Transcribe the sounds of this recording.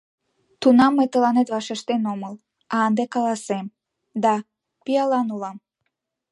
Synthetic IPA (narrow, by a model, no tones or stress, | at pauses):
t̪unɑmːejt̪əlɑnet̪βɑʃeʃt̪enoməl | ɑːnd̪ekɑlɑsem | d̪ɑ | pijɑlɑnulɑm